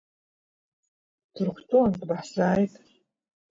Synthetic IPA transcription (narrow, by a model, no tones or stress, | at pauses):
tʰɨrχʷtʰʼontʼbaħsaːjtʼ